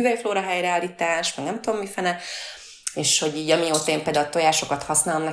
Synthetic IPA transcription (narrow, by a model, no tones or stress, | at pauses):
yvɛjfloːɾɒɦɛjɾɛaːlːiːt̪aːʃmɛɡnɛmt̪ud̪omːifɛnɛ | eːʃho̞ɟiːɟɒmioːt̪ɒeːmpeːld̪alt̪o̞jaːʃo̞kɒt̪hɒsnaːlomnɛ